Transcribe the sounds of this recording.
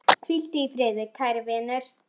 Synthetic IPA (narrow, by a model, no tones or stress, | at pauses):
kʰvil̥t̪ɪifɾeːðɪɾkʰajɾvɪːnʏɾ̥